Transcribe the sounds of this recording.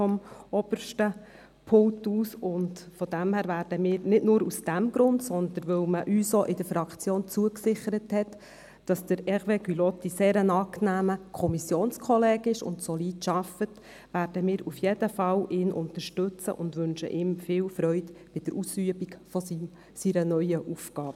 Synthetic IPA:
fɔmɔb̥əɾʃtə | pʰʊŋtuːsʊndfɔd̥̪æmhæːɾvæːɾdəmɪːɾnɪdnʊːɾusd̥æmɡɾʊndsɔnd̪ənʋɵwməʔyːsoʔɪdəɾfɾɑkt͡sjoːnt͡suəksɪχəɾəthɛtː | ɑsd̥əɾɛʁʋeɡylɔt̪ːiseːɾənɑːknæːməkʰɔmisjoːnskʰɔlɛːɡɪʃʊ̰ntsɔliːtʃɑfət | ʋæːɾd̥əmɪːɾufjɛdəfɑwʔɪːnʔʊ̰nt̪əɾʃtɵt͡sə̰ʔʊndʋɵnʃə̰ʔɪːmfɪːwfɾœʏtb̥ɪd̥əɾʔusyəbikfɔ | siɾənœʏəʔufɡ̥ɑːb̥ə

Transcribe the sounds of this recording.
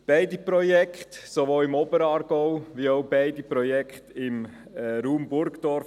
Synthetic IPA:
b̥ɛɪdipɾɔjɛkχtsoʋoːlɪmɔbəɾɑːɾɡ̥ɔʊʋioʊbɛɪdipɾɔjɛkχt̪ɪmː | ɾuːmbʊɾkd̥ɔɾ

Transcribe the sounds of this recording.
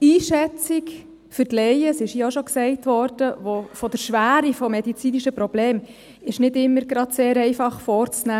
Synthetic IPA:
iːʃɛt͡sik | fʏɾtlɛɪəsɪʃioʃoksɛɪtʋɔɾd̥əʋofɔd̥əɾʃʋæːɾifɔmɛdit͡siːniʃəpɾɔb̥leːm | ɪʃnɪdɪmːəɾɡɾɑd̪seːɾɛɪfɑχfɔːɾt͡snæː

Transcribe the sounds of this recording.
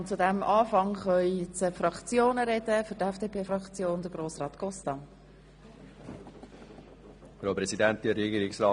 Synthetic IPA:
ʊnt͡sudæmʔɑːfɑŋχœit͡səfrɑkt͡sjoːnəɾɛdəfʏɾtɛfd̥eːpʰeːfrɑkt͡sjoːnd̥əɾɡ̥roːsʁɑːtɡ̥ɔstɑn | fɾopɾɛsidæntiɾɛɡiːɾɪksɾɑ

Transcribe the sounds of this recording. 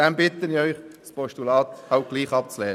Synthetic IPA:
ɛmbɪt̪ənɪœʏχspʰɔʃtulɑːt̪hɑʊt̚ɡ̥liːχɑp̚t͡slɛː

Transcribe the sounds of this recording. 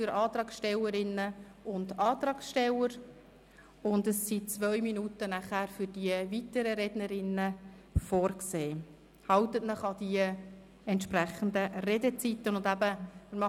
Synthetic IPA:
fʏɾɑːt̪ɾɑːksʃtɛləɾɪnːəʊndɑːt̪ɾɑːksʃtɛləɾ | ʊndəsːit͡sʋœʏminutənæχæːɾfʏɾd̥iəvitəɾəɾɛdnəɾɪnːə | fɔːɾkseː | hɑwt̪ətnəχɑdiə | ɛnt̪ʃpræχən̩d̪ərɛdət͡sitːənʊndæbəmɪɾmɑ

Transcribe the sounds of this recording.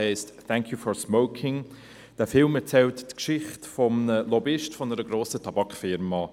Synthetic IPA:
ɛɪstθæŋkʰjufɔɹsmoʊkʰɪŋ | d̥æfɪlmɛɾt͡sɛltːkʃɪχtfɔmnəlɔbɪʃtfɔnəɾəɡɾoːsətʰɑbɑkχfɪɾmɑ

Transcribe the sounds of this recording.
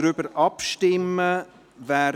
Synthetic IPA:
ɾʏbəɾɑpʃtɪmə | væː

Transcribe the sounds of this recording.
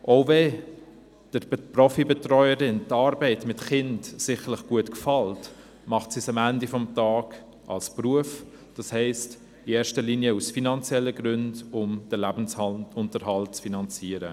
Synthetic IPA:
ʔoʊvɛ | d̥əɾprɔfibɛtrɔʏəɾɪntɑːɾbɛɪtmɪtχɪndsɪχəlɪχɡ̥uətkfɑlt | mɑχtsisɑmændifɔmtɑːɡ | ʔɑ̰lspruəf | d̥ɑshɛɪst | ieːʃtəliːnjəusfinɑnt͡sjɛlːəɡɾʏndʊmd̥əlæbn̩sʊntəɾɦɑlt͡sfinɑnt͡siəɾə̰

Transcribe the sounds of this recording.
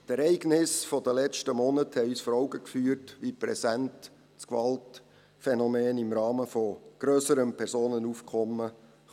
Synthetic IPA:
tɛɾɛɪɡnɪsfɔdəlɛt͡ʃtəmɔnəthɛyːsfɔɾɔʊɡəkfyːrtʋipɾɛsænt | t͡skʋɑlt | fɛnɔmeːnimɾɑːməfɔɡ̥ɾøsəɾəmpʰɛɾsoːnənufkʰɔmːə

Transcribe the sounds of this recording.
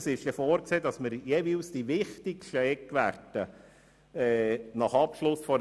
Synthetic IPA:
sɪʃjefoːɾkseːdɑsmɪɾjeːʋiːlsd̥iʋɪχt̪ɪkʃtɛkːʋærd̥ə | ɛnɑχɑpʃlʊsfɔɾ

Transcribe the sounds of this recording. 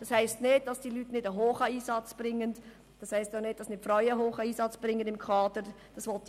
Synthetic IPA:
d̥ɑshæɪstneːt̚d̥ɑsd̥iːlyːtnɪdəɦoːxaiːsɑt͡sb̥rɪŋːən | d̥ɑshæɪstaʊxnɪːt̚d̥ɑsnɪtfraʏəhoːxaiːsɑt͡sb̥rɪŋːənɪmkʰɑːdə | d̥ɑsʋɔlt̚

